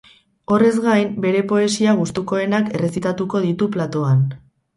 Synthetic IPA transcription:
o̞re̞zɣajmbe̞ɾe̞po̞e̞siaɣ̞ust̪uko̞e̞nake̞re̞sit̪at̪uko̞ð̞it̪uplat̪o̞an

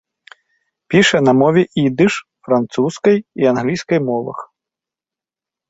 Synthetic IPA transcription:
pʲiʂɐnɐmɔvʲɛʔid̪ɨʂfɾant̪suskɐjianɣlʲijskɐjmɔvɐ̰x

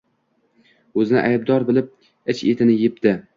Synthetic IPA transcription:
ɵzɪnɪ̰ʔajb̚d̪ɒɾbɪlɪp̚ | ɪt͡ʃet̪ʰɪnɪjɪp̚t̪ɪ

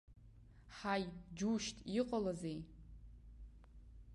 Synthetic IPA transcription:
ħajd͡ʒuʃtʼiqʼalazej

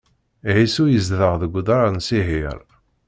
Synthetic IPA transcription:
ʕisujəzðəʁðəɡʷːd̪ɾˤansiɦiɾ

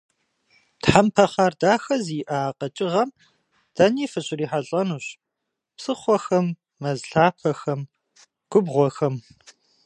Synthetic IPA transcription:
tħampʰɐχaːrdaːxɐziːʔaqʼɐt͡ʃʼɪʁɐm | d̥ɐniːfɨɕʼɪriːħaɬʼɐnuːɕ | psɨχʷɔxɐmː | ɐzɬaːpʰɐxɐm | ɡ̥ʷʊbʁʷɔxɐm

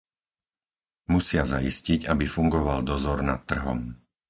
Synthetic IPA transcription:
musɪazaḭsciɟabifuŋɡɔʋald̪ɔzɔɾna̰t̪ːr̩ɦɔ̰m

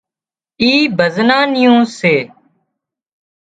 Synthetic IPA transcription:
iːbʱəznãːnɪjõːseː

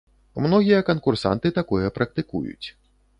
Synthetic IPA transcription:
mnɔɣʲijɐkɐnkursa̰nt̪ɨt̪akɔjɛpɾʔɐk̚t̪ɨkṵjṵt͡sʲ

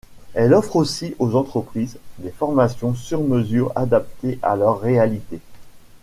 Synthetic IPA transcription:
ɛlɔfχosiʔozɑ̃t̪χəpχiːzd̪efɔʁmasjɔ̃syʁməzyːʁa̰d̪ap̚t̪eʔa̰lœʁːealit̪e

